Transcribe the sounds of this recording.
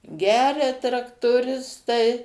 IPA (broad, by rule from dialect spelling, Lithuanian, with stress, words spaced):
ˈɡʲæːrʲɛ trɐktoːˈrʲɪstɐɪ